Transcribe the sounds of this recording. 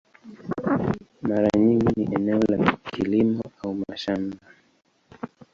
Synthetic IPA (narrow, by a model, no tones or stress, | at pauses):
maɾaɲiŋɡiniʔɛnɛɔlakʰilimɔaumaʃamba